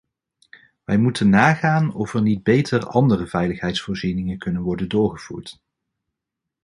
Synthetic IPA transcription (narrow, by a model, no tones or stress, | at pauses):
ʋɛjmutənːaːχaːnɔfəɹnid̚bejtʰərɑndərəvɛjləχɦɛjtsfʊːɹzinɪŋənkɵnənʋɔɹdəndʊːɹχəv̥ṵːɹt